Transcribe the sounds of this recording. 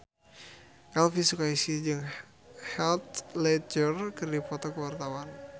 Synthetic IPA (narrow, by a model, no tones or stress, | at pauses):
ʔɛlfisukaisid͡ʒɨŋ | hɛlt̪lɛd͡ʒərkɨrdifɔt̪ɔkəwart̪awan